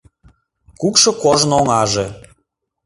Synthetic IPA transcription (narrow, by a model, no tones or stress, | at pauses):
kukʃɤ̆koʒnoŋɑʒe